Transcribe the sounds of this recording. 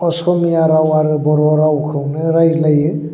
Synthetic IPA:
ɔsɔmijaɾawaɾɯbɔɾɔɾawkʰɯwnɯɾajlaji

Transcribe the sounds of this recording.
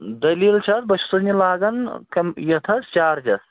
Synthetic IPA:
d̪ɐliːlt͡ʃʰɐt̪̚bɐt͡ʃʰusɐznilaːɡɐnkɐmjɐt̪ʰɐst͡ʃaːɾd͡ʒɐs

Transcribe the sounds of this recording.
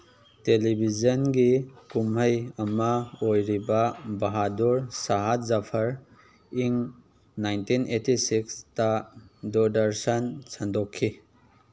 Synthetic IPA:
telibʱizɐnɡikumɦɐjɐmɐojɾibɐbɐɦaduɾsaɦat̚zapʰɐɾ | iŋ | najntinʔetisikstɐdodɐɾsɐnsandokʰːi

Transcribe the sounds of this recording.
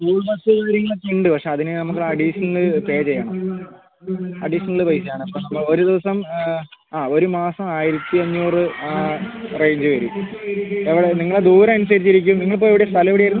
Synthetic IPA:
kuːɭmɐsɨd̪uːɾɐŋːɐɭekːiɳɖɨpɐkʂe̞ːɐðinɨnɐmukːɨɐɽiʂɐnɐlɨpe̞ːd͡ʑejːaːɳɐm | ɐɽiʂɐnɐɭɨpɐjsɐjaːɳɐpːoːnɐmːɐɭo̞ɾud̪iʋɐsɐm | aːo̞ɾumaːsɐmaːjiɾɐt̪ːiɐɲːuːrɨarejɲd͡ʑɨʋɐɾum | eʋiɽeniŋːɐɭed̪uːɾɐmɐnusɐɾit͡ɕːiɾikʲːumniŋːɐɭp̬oːjeiʋiɽejɐst̪ʰɐlɐʋiɽijajiɾunː

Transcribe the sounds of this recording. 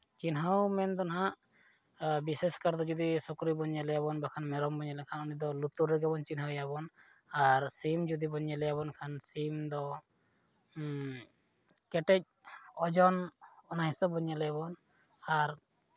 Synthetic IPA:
t͡ʃinɦawmɛnd̪ɔnɦaʔ | biseskaɾd̪ɔd͡ʒɔd̪isɔkɾibɔɲːalɛjabɔnbakʰanmɛɾɔmbɔɲalɛkʰanunid̪ɔlut̪uɾːɛɡɛbɔnt͡ʃinɦawjabɔn | aɾsimd͡ʒud̪ibɔɲɛlɛjabɔnkʰansimd̪ɔ | kɛʈɛc̚ | ɔd͡ʒɔnɔnaɦisɔbɔɲalɛjabɔn | aɾ

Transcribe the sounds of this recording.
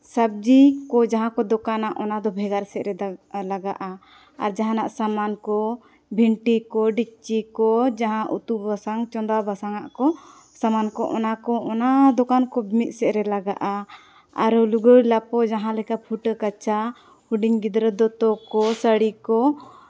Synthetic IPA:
sab̚d͡ʒikɔd͡ʒaɦãkɔd̪ɔkanaʔɔnad̪ɔbʱɛɡaɾsɛʔɾɛlaɡaʔa | aɾd͡ʒaɦãnaʔsamankɔ | bʱiɳʈikɔɖik̚t͡ʃikɔd͡ʒaɦãʔut̪ubasaŋt͡ʃɔnd̪abasaŋaʔkɔ | samankɔʔɔ̰nakɔɔnad̪ɔkankɔbʱmit̪̚sɛʔɾɛlaɡaʔa | a̰ɾuluɡəɾlapɔd͡ʒaɦãlɛkapʰuʈəkat͡ʃa | huɖiŋɡid̪ɾəd̪ɔt̪ɔkɔsəɽikɔ

